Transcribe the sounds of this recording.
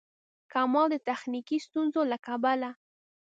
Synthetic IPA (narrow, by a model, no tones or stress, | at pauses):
kamɑd̪ət̪axnikist̪unzolakabala